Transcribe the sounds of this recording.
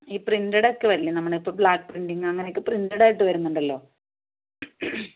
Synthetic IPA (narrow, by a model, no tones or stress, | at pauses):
iːprindɐɽeokːeʋɐɾilːinɐmːɐɭipːoːbɭaːk̚priɳɖiŋːɐɐŋːɐnekːɨprindɐɽaːjiʈːɨʋɐɾumːoɳɖɐlːo̞ː